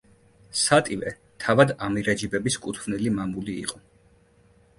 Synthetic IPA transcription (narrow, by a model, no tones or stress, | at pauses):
sat̪ʼivɛ | t̪ʰavad̪amiɾad͡ʒibɛbiskʼut̪ʰvnilimamulḭːqʼɔ